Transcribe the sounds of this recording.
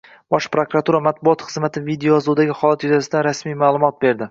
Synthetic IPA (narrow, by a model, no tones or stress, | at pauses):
b̥ɒʃpɾokɾat̪ʰuɾamat̪̚bʊɒt̪χɨzmat̪ʰɪvid̪eoɒzud̪aɡʲɪχɒlˠat̪jʊzasɪd̪aɾasmijmaːlˠʊmɒt̪̚be̞ɾd̪ɪ